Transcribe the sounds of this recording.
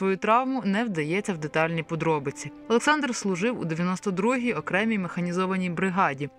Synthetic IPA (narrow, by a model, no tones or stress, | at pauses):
ʋɔjut̪ɾɑʋmʊnɛwd̪ɐjɛt͡sʲːɐwd̪et̪ɑlʲnʲijpɔd̪ɾɔbɪt͡sʲiɔlˠeksɑnd̪r̩slˠʊʒɪwṵd̪eʋjɐnɔst̪ɔd̪ɾuɦʲijɔkɾɛmʲijmexɐnʲizɔʋɐnʲijbɾɪɦɑdʲi